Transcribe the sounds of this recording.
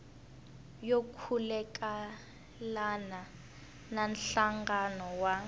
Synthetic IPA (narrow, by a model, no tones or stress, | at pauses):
jokʰulɛk̬ʼa | lana | nanɬaŋɡanɔwa